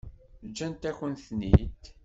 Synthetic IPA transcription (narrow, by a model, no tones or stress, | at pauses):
d͡ʒːænt̪æçənθnḭt̪